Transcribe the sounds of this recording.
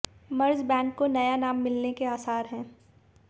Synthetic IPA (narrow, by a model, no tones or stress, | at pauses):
mɐɾd͡ʒbɛ̃ːkkonɐjanaːmːɪlnekeaːsaːɾɦɛ̃ː